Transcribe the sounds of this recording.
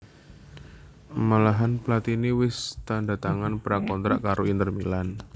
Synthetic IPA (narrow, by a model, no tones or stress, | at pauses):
malaɦanplat̪iniwɪst̪andat̪aŋanpɾakɔnt̪ɾaʔkaɾoint̪ərmilan